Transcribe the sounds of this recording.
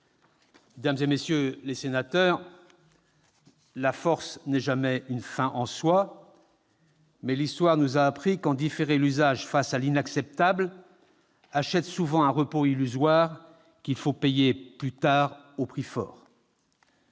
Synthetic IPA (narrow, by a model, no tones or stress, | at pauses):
med̪amzemesjølesenat̪œʁ | lafɔʁsnɛʒamɛynfɛ̃ʔɑ̃swa | mɛlist̪waʁnuzaːpχikɑ̃d̪ifeʁelyzaʒfasalinaksɛp̚t̪abl | aʃɛt̪suvɑ̃ɛ̃ʁəpoilyzwaʁ | kʲilfopejeplyt̪aʁopχifɔ̰ːʁ